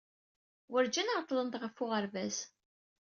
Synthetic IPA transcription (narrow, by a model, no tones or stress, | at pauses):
wəɾd͡ʒænəɾt̪ˤlənt̪ʁəfʊʁəɾvæs